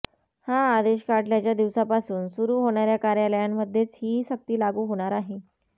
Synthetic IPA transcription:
haːd̪eɕkaʈljat͡ɕjad̪iʋsapasuːnsuɾuːɦoɳjaɾjakaɾjaləjamːəd̪ʱːjet͡sɦiːsək̚t̪iːlaɡuːɦoɽ̃aɾaɦe

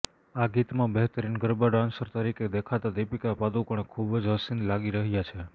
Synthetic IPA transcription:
aɡit̪mãbeɦt̪əɾinɡəɾbaɖãnsəɾt̪əɾikʰed̪ekʰat̪ad̪epikapad̪ukəɳ̃ekʰubd͡ʒɦəsinlaɡiɾəɦjat͡ʃʰe

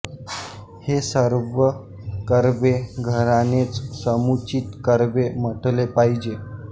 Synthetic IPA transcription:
hesəɾʋə | kəɾbeɡʱəɾanet͡ssəmut͡ɕiːt̪kəɾbem̤əʈlepaid͡ʑe

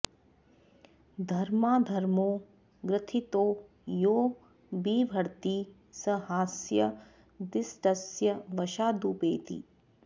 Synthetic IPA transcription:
d̪ʱɐɾmaːd̪ʱɐɾmoː | ɡɾɪt̪ʰit̪oː | joː | biːbʱɐɾt̪i | sɐɦaːsjɐ | d̪ɪsʈɐsjɐʋɐʃaːd̪uːpeːt̪ḭː

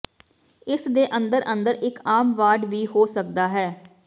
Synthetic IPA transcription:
ɪsd̪eːʔənd̪əɾʔənd̪əɾɪkaːmʋaːɖʋiːɦoːsək̚d̪aːɦɛː

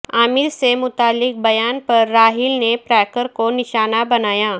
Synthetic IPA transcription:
aːmɪɾsemʊt̪aːlːɪk̚bɐjaːnpɐɾːaːɦɪlnepɾɛːkəɾkonɪʃaːnabɐnaːjaː

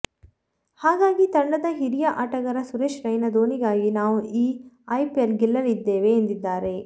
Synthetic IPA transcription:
haːɡaːɡit̪ɐɳɖɐd̪ɐɦiɾijɐʔaːʈɐɡɐɾɐsuɾeːʃɾɐjnɐd̪oːniɡaːɡinaːʋuiːɐjpjɐlɡilːɐlid̪ːeːʋeːnd̪id̪ːaːɾe̞

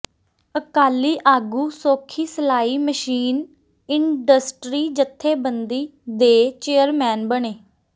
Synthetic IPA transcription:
əkaːliːʔaːɡuːsoːkʰiːsəlaːiːməʃiːn | ɪɳɖəsʈɾiːd͡ʒət̪ʰːeːbənd̪iːd̪eːt͡ʃeːəɾmɛ̃ːnbəɳeː

